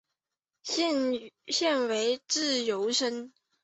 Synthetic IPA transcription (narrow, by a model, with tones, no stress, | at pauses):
ɕjɛ˥˩nwe˧˥ɪʈ͡ʂɻ̩˥˩jo˧˥ʊʂə˥n